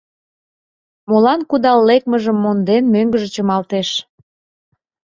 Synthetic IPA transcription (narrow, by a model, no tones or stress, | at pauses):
molɑnkud̪ɑlːek̚məʒəmːond̪enmøŋɡəʒət͡ɕəmɑlt̪eʃ